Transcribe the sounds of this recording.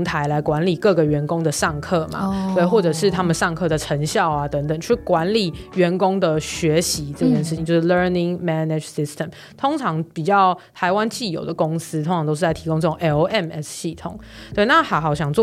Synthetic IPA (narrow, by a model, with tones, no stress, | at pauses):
t̪ʰa˧˥ɪla˧˦ɪkwa˧˥nli˨˩kɤ˥˩ɡə˩ɥɛ˨˧˥nkʊ˦ŋd̪ə˨ʂɑ˥˩ŋkʰɤ˥˩ma̰˨˦t̪we˥˩ɪxwɔ˥˩ʈ͡ʂɤ˨˩ʂɻ̩˥˩t̪ʰa˥mə˨nʂɑ˥˧ŋkʰɤ˥˩d̪ə˨˩ʈ͡ʂʰə˧˥ŋɕjɑ˥˨˩ʊa˨t̪ə˧˥ŋt̪ə˨˩ŋt͡ɕo˥˩y˥˩kwa˧˦nli˨˩ɥɛ˧˥nkʊ˦˥ŋd̪ə˨ɕɥɛ˧˥ɕi˧˦ʈ͡ʂɤ˥˧pʰjɛ˥˧nʂ̬ɻ̩˩i˨ŋt͡ɕjo˥˧ʊʂɻ̩˥˧lə˥ni˨˩ŋmɛ˥ne˨ʈ͡ʂsi˧˥st̪ʰə˨˩m | t̪ʰo˥ŋʈ͡ʂʰɑ˧˥ŋpi˨˩t͡ɕjɑ˥˩ʊt̪ʰa˧˥ɪwa˦nt͡ɕi˥˩jo̰˨˩ʊd̪ə˩kʊ˦˥ŋsɹ̩˥t̪ʰŋʰɑ˧˦ŋo˥ʊʂ̩˥˧t͡sa˥˩ɪt̪ʰi˧˥ko˥ŋʈ͡ʂɤ˥˩ʈ͡ʂo˨ŋʔɛ˧˥ɛ˥˧mɛ˥sɕi˥˩t̪ʰʊ˨˩˦ŋtt̪we˥˩ɪna˥˩hɑ˧˥ʊxɑ˨˩ʊɕ̬jɑ˨˩ŋt͡s